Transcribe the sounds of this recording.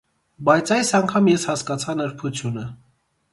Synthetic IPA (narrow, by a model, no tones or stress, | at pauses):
bɑjt͡sʰɑjsɑŋkʰɑmjɛshɑskɑt͡sʰɑnəɾpʰut͡sʰjunə